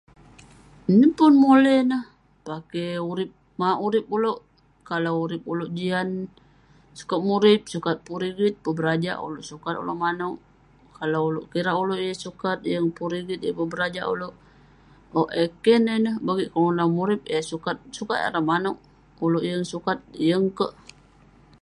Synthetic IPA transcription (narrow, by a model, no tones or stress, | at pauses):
nəpʊnmolɛhnəh | pakɛuɾɪp̚ | maʔuɾɪp̚uloʔ | kalawuɾɪp̚uloʔd͡ʒian | su̥kat̪̚muɾɪp̚sukat̪̚puɾiɡit̪̚pəbəɾad͡ʒa̰ʔṵloʔsukat̪o̰loʔmanɔʔ | kalawuloʔkiɾaʔuloʔjəsukat̪̚jəŋpuɾiɡit̪̚əpəbəɾad͡ʒa̰ʔṵloʔ | oʔekɛnenəhbaɡiʔkəŋunawmuɾɪp̚əsukat̪̚sukat̪a̰ɾahmanɔʔ | uloʔjəŋsukat̪̚jəŋkəʔ